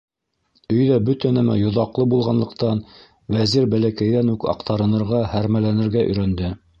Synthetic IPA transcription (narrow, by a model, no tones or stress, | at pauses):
ɵ̆jðæbɵt̪ænæmæ̰jŏðɑqlˠɤbulˠʁɑnlˠɤ̆qt̪ɑn | wæziɾbælækæjðænʉkɑ̰qt̪ɑɾɤ̆nɤ̆ɾʁɑhæɾmælænɘ̆ɾɡæʔɵ̰̆jɾænd̪ɘ